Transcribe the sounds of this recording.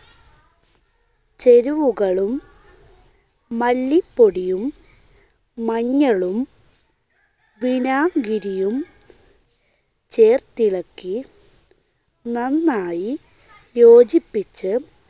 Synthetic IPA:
t͡ɕe̞ɾuʋuɣɐɭum | ɐlːipːoɽijum | ɐɲːɐɭum | ʋinaːŋɡiɾijum | t͡ɕeːrt̪iɭɐkːi | nɐnːaːji | jo̞ːd͡ʑipːit͡ɕːɨ

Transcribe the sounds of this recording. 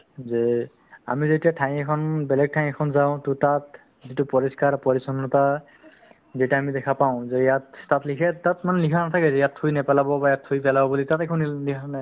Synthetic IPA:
zɛ | a̰mizetijatʰaj̃ɛkʰɔnbɛlɛɡ̚tʰãj̃ɛkʰɔnzaʊ̃tʊtat̚ | zitʊpɔɹiskaɹpɔɹisɔnːɔta | zetaamidɛkʰapaʊ̃zɛjat̚tatlikʰɛtat̚manɛlikʰanatʰakɛzɛjatʰːujnɛpɛlabɔbajatʰːujpɛlabɔbulitatɛkʰɔnlikʰanɛ

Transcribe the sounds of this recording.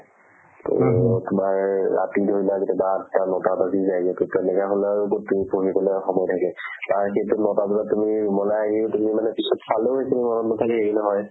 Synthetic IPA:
tʊmaɹɹa̰tidʱoɹilaketɛbaːtanɔtabazizajzɛtutɛnɛkaxɔlaɹukotuipoɦibɔlɛɔxɔmɔjtʰakɛtaɹxetunɔtapɔzatumimɔlajaɦiʊtumimanɛpisɔtfʰaleʊɦesumimɔɹɔnɔtʰakɛeinɔɦɔj

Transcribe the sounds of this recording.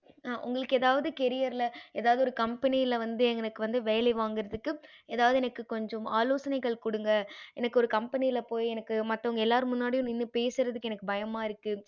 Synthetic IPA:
aːʔʊ̰ŋɡɐɭɯkːeːðaːʋɐðɯkɛɾɪjɐɾɪlɐeːðaːʋɐðɯɔɾɯkɐmpɛnijɪlɐʋɐnd̪ɯɛnɐkːɯʋɐnd̪ɯʋeːlɐɪʋaːŋɡɪɾɐðɯkːɯeːðaːʋɐðɯɛnɐkːɯkɔɲd͡ʒɔ̃maːloːsɐnɐɪɣɐɭkʊɽɯŋɡɐʔɛnɐkːɯɔɾɯkɐmpɛnɪjɪlɐpoːjɛnɐkːɯmɐt̪ːɐɐŋɡɐɛlːaːɾɯmʊnːaːɽɪjʊ̃ɪnːɯpeːsɯɾɐðɯkːɯɛnɐkːɯbɐjɐmaːɪɾɯkːɯ

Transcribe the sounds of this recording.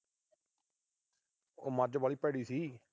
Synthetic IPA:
oːmad͡ʒbaːliːpɛːɽiːsiː

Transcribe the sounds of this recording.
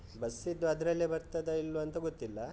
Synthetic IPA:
bɐsːid̪ːuɐd̪ɾɐlːebɐɾt̪ɐd̪ɐilːuɐnt̪ɐɡot̪ːilːɐ

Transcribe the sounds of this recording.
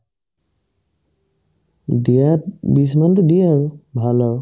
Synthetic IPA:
dijabis̬mantudiaɹbʱalaw

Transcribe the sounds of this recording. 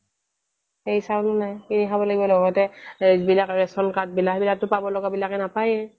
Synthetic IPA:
xejsanʊnajkiniɦabɔlaɡibɔlɔɡɔtɛezbilakɹɛsɔnkat̚bilabilak̚tʊpabɔlɔɡabilakɛnapajɛ

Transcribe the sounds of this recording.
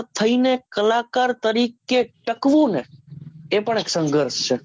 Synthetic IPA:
t̪ʰːəinekəlakaɾt̪əɾikeʈəkʋũneepəɳ̃eksə̃ŋɡəɾʃt͡ʃʰe

